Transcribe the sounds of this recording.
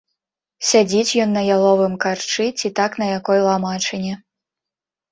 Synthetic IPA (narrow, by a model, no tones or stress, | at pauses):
sʲad͡zʲit͡sʲjɔnːɐjalˠɔvɨmkart͡ʂɨt͡sʲit̪aknɐjakɔjlˠamat͡ʂɨnʲɛ